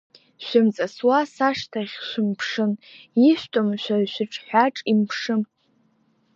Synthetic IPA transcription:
ʃʷɪmt͡sʼaswasaʂtʰaχʲʃʷᶣɪmpʰʂɨniʃʷtʼomʃʷᶣaʃʷɪʈ͡ʂʰʼħʷᶣaʈ͡ʂʼimpʰʂɨm

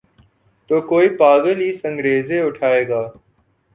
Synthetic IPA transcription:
t̪oːkoːiːpaːɡəliːsə̃ŋɡɾeːzeːʊʈʰaːeːɡaː

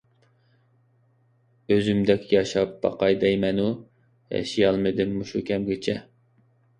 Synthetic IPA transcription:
øzymd̪ɛkʲjɑʃɑp̚b̥ɑ̰qɑjd̪ɛjmɛnu | jɛ̰ʃijɑlˠmɨd̪ɪmːuʃukʲʰɛmɡʲɪt͡ʃʰɛ

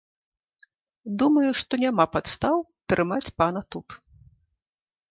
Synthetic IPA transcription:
d̪umɐjuʂt̪ɔnʲamapat̪st̪awt̪ɾʔɨmat͡sʲpanɐt̪ut̪

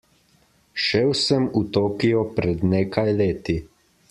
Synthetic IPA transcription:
ʃɛwsɛmut̪oːkijɔpɾɛd̪neːkajleːt̪i

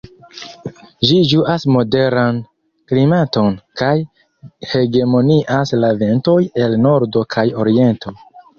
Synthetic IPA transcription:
ʒid͡ʒuʔasmo̞de̞ɾan | klimato̞nkaj | he̞ɡe̞mo̞niʔaslave̞nto̞je̞lno̞ɾdo̞kʰajo̞ɾie̞nto̞

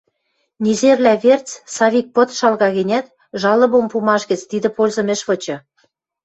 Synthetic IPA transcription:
nʲizerlæβert͡ssɑβʲik̚pɤ̆t̪ʃɑlɣɑɣɘ̆nʲæt̪ | ʒɑlɤ̆βompumɑʃɡə̆t͡st̪id̪ɘ̆polʲzɤ̆mĕʃβɤ̆t͡ɕɤ̆

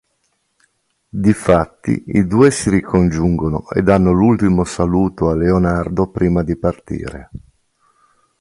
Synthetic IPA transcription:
d̪ifat̪ːḭid̪uːesiɾikʰond͡ʒuŋɡono̰ḛd̪anːolult̪imosaluːt̪oalːeonard̪opɾiːmad̪ipart̪ḭːɾḛ

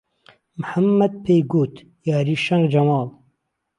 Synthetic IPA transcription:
mħamːɐd̪̚pʰeːjɡoːt̪ | jaːɾiːʃɐŋɡd͡ʒɐmɑːl

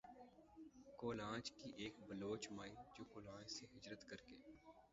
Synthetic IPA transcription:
koːlãːd͡ʒkiʔeːkbəloːt͡ʃmaːid͡ʒoːkoːlãːd͡ʒseɦɪd͡ʒɾət̪kəɾkeː

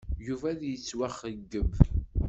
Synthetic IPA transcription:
juvæðjət͡sːwæχːəɡːəv

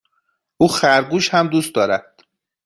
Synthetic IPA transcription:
ʔuːxæɾɡuːʃhæmd̪uːst̪d̪ɒːɾæd̪̥

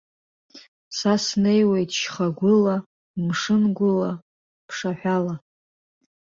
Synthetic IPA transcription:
sasnejwe̞jtʰʼʃχaɡʷʊla | mʂɨnɡʷʊla | pʰʂaħʷᶣala

